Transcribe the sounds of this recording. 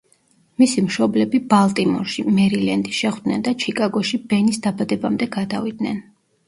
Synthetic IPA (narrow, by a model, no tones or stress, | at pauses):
misimʃɔblɛbibalˠt̪ʼimɔ̰ɾʃimɛɾilɛnd̪iʃɛχwd̪̥nɛnd̪at͡ʃʰikʼaɡɔʃibɛnisd̪abad̪ɛbamd̪ɛɡad̪avid̪̚nɛn